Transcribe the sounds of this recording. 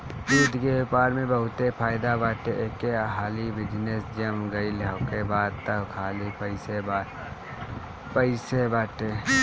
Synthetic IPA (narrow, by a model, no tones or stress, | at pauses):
duːd̪ʱkepaːɾmẽbəɦʊt̪epʰaːɪd̪abaːʈeʔeːkeɦaːlibɪd͡ʒnesd͡ʒɐmɡɐiləkebaːd̪̚t̪əbkʰaːlipəɪsebaː | pəɪsebaːʈe